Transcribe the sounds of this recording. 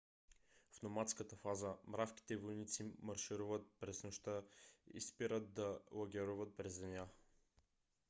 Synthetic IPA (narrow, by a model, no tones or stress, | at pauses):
fnomat̪skət̪əfazəmɾafkʲi̥t̪ɛvojnit̪simɐɾʃiɾuvət̪̚pɾɛsnoʃt̪əḭspiɾət̪̚d̪ɐlˠɐɡʲɛɾuvət̪̚pɾɛzɛnʲa